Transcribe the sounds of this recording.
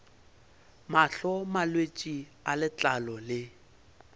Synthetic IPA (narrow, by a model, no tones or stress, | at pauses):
maɬɔmalwet͡ʃʼialɪt͡ɬʼalɔlɪ